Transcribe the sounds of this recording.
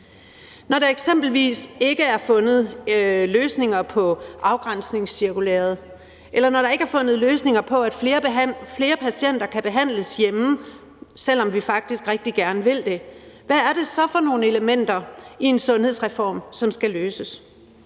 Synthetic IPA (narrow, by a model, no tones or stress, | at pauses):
nɒɾ̥ɑ̈eɡ̥semb̥l̩ʋḭːse̝ɡ̥əæɐfɔ̽nð̩ˠløːsne̝ŋɐpʰɒ̽ʔɑ̈ʊɡ̥ʁan̰sne̝ŋsːiɐkulḛːɐð̞̩ˠ | ʔelɐnɒɾɑ̈e̝ɡ̥əæɐfɔ̽nð̩ˠløːsne̝ŋɐpʰɒ̽æd̥fe̝ːɐfle̝ːɐpʰæsien̰d̥ɐkʰæb̥e̝ɦæn̰ləsjem | sel̰ɒ̽mʋifɑ̈ɡ̥̚d̥isɡ̥ʁɛɡ̥̚d̥iɡ̥æɐnəʋe̝l̰d̥e̝ʋææɐɾe̝sɒ̽fɒ̽no̝ːnəe̝ləmen̰d̥ɐie̝nsɔ̽nhe̝ðˠsʁɛfɒ̰ːmsɒ̽msɡ̥æløːsəs